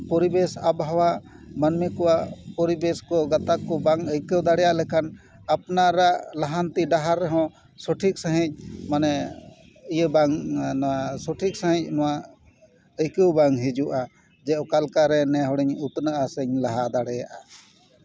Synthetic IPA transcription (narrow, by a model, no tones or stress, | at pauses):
pɔɾibɛsabɦawamanmɛkɔwaʔpɔɾibɛskɔɡat̪akːɔbaŋəjkəwd̪aɽɛjaʔlɛkʰan | apnaɾaʔlaɦant̪iɖaɦaɾːɛɦɔ̃ | sɔʈʰik̚səɦĩc̚ˀmanɛ | ijəbaŋnɔwasɔʈʰik̚səɦɛ̃c̚nɔwa | əjkəwbaŋɦid͡ʒuʔa | d͡ʒɛʔɔkalkaɾɛnɛɦɔɽɛɲut̪nəʔasɛɲlaɦad̪aɽɛjaʔa